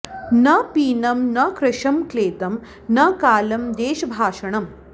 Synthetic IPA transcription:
nɐpiːnɐmnɐkɾɐʃɐmkleːt̪ɐm | nɐkaːlɐmd̪eːʃɐbʱaːʃɐɳɐm

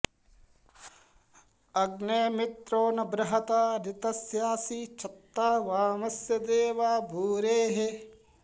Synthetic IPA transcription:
ɐɡneːmɪt̪ɾoːnɐbɾɐɦɐt̪aːɾɪt̪ɐsjaːsiːt͡ʃʰɐt̪ːaːʋaːmɐsjɐd̪eːʋaːbʱuːɾeːɦe

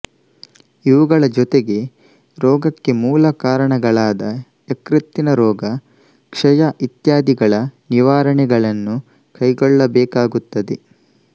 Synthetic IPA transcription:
iʋuɡɐɭɐd͡ʒɔt̪eɡe̞ | ɾɔːɡɐkːe̞muːlɐkaːɾɐɳɐɡɐɭaːd̪ɐ | ekɾit̪ːinɐɾɔːɡɐ | kʂɐjaʔit̪jaːd̪iɡɐɭɐniʋaːɾɐɳɛɡɐɭɐnːu | kɐjɡɔɭːɐbɛːkaːɡut̪ːɐd̪e

